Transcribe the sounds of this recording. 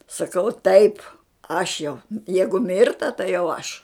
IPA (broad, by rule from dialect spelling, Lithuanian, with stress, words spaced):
sɐˈkɐʊ tɐɪp ˈɐʃ jɛʊ ˈjɛɪɡʊ ˈmʲɪrtɐ tɐɪ jɛʊ ˈɐʃ